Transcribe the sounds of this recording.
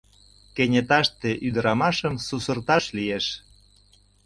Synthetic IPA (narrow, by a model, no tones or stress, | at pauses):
kenʲet̪ɑʃt̪eʔyd̪əɾɑmɑʃəmsusə̆rt̪ɑʃlijeʃ